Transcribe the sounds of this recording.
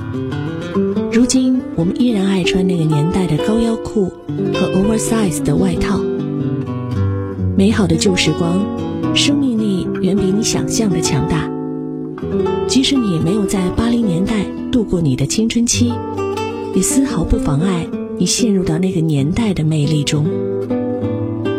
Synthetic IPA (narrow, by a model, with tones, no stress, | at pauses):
ɻu˧˥t͡ɕi˥nwɔ˨˩mə˦nʔi˥ɻa˧˥na˥˩ɪʈ͡ʂʰwa˥nna˥˩ɡə˩njɛ˧˥nt̪a˥˩ɪd̪ə˩kɑ˥ʊjɑ˥ʊkʰu˥˩ | xɤ˧˥ʔo˥ʊwə˥˧˥sa˥ɪsd̪ə˩wa˥˧ɪt̪ʰɑ˥˩ʊ | me˧˥ɪxɑ˨˩ʊd̪ə˦t͡ɕjo˥˧ʊʂɻ̩˥˩kwɑ˥ŋ | ʂɤ˥ŋmi˥˧ŋni˥˩ | ɥɛ˧˥npe˧˥ɪni˧˥ɕjɑ̰˨˩ŋɕjɑ˥˩ŋd̪ə˩t͡ɕʰjɑ˧˥ŋt̪a˥˩ | t͡ɕi˧˥ʂɻ̩˧˥ni˨˩me˧˥ɪjo˨˩ʊt͡sa˥˩ɪpa˥li˧˥ŋnjɛ˧˥nt̪a˥˧ɪ | t̪u˥˧kwɔ˥˩ni˨˩d̪ə˦t͡ɕʰi˥ŋʈ͡ʂʰwə˥nt͡ɕʰi˥ | ni˨˩sɹ̩˥xɑ˧˥ʊpu˥˩fɑ˧˥ŋa˥˩ɪni˨˩ɕjɛ˥˧nɻu˥˧t̪ɑ˥˧ʊna˥˩ɡə˩njɛ˧˥nt̪a˥˩ɪd̪ə˩me˥˧ɪli˥˩ʈ͡ʂʊ˥ŋ